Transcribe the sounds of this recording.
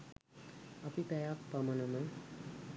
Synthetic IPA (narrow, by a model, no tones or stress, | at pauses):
ɐpipɛjak̚pamɐnəmə